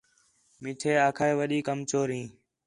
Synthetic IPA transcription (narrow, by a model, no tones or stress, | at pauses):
mɪʈʰeːaːkʰaːeːʋəɗiːkəmt͡ʃoːɾĩː